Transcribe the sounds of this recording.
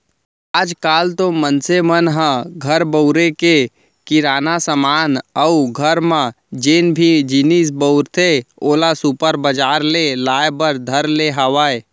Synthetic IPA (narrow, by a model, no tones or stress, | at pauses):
ad͡ʒkaːlt̪omənsemənɦə̃ɡʱəɾbəʊɾeke | kɪɾaːnasəmaːnəuɡʱəɾmã | d͡ʒeːnbʱid͡ʒinis̬bəʊɾt̪ʰeoːlasupəɾbəd͡ʒaːɾlelaːebəɾd̪ʱəɾleɦəʋaːe